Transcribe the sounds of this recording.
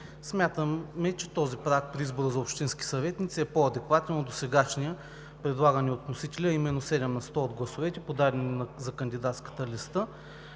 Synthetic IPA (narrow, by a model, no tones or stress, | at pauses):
smʲjat̪əmːɛt͡ʃɛ̥t̪ɔzipɾakpɾiizboɾəzɐopʃt̪inskʲi̥sɐvɛt̪nit̪sɛpoɐd̪ɛkvat̪ɛnod̪osɛɡaʃnijə | pɾɛd̪lˠaɡəniot̪nosit̪ɛlʲəːimɛnːosɛd̪ɛmnɐst̪ɔod̪ɡlˠɐsovɛt̪ɛpod̪aɾɛnnɐzɐkənd̪id̪at̪skə̥t̪əlist̪ə